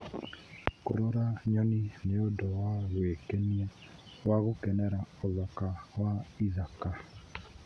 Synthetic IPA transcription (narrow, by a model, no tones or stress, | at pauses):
kʊ̰ɾɔɾaɲɔnineodɔwaɣwekɛnia | waɣʊkɛnɛɾaɔlɔkawaizaka